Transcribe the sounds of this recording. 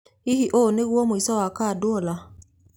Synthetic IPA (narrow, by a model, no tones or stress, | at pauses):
ihiʔoneɣwɔmoisɔwakadʊɔla